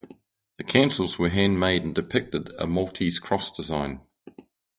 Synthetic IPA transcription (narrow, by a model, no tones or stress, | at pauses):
ðəkʰæ̃ʊ̃nsəl̩ˠzwəɦæ̃nmeɪɾə̃ndɪpʰɪk̚tɪdə̰mɒlˠtʰiz̥kʰɹ̥ɒsd̥ɪzãɪ̃n